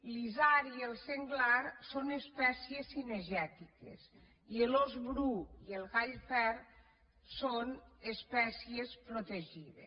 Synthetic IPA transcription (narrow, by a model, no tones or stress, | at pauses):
lizaɾielˠseŋɡlaɾsonespɛsiesineʒɛt̪ikḛs | ielozβɾuielˠɣaʎfɛɾ | sonespɛsiespɾot̪eʒiðe